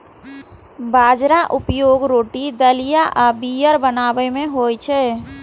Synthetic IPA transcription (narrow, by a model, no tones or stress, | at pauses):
baːd͡ʒɾaʔʊpjoːɡɾoːʈid̪əlijaʔəbijəɾbənaːʋəmẽɦoːjt͡ʃʰɛː